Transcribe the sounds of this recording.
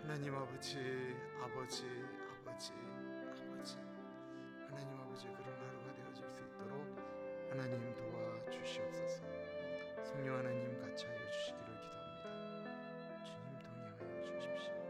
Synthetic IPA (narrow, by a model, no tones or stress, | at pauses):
hanaɲimabʌd͡ʑi | abʌd͡ʑi | abʌd͡ʑi | abʌd͡ʑi | hanaɲimabʌd͡ʑikɯɾʌnaɾɯɡadeʌd͡ʑoms͈ɯit͈ʌɾok̚ | hanaɲimtowat͡ɕuɕʰiʌs͈ʰʌs͈o | sʰʌŋɲʌŋɦhanaɲimkat͡ɕʰiɾʌt͡ɕuɕʰiɡiɾokid̥omɲida | t͡ɕiɲimtoŋɲeɡaʌt͡ɕut͡ɕuɕʰi